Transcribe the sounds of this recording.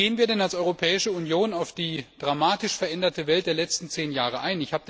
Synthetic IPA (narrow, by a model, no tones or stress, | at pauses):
eːənviːɐɾɛnalsʔɔʏʁopʰɛːɪʃəunjoːnaʊfd̥iːd̥ʁamaːtɪʃfɛɐʔɛndɐtəvɛlt̚d̥eːɐlɛt͡stn̩t͡seːnjaːʁ̞əʔaɪnɪçhaːbə